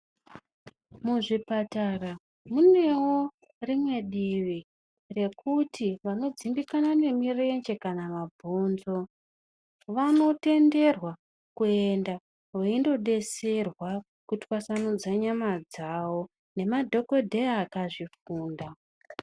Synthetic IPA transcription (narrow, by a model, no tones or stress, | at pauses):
muʐipatara | mune̞wo̞ | rimwe̞ɗiʋi | re̞kutʰiʋano̞d͡zimbikanane̞mireend͡ʒe̞kanamabʱoːnzo̞ | ʋano̞te̞nde̞rwa | kue̞nda | weindo̞ɗe̞se̞rwa | kutwasanud͡zaɲamad͡zaːwo̞ | ne̞madʱo̞ko̞dʱe̞aːkaʐifuːnda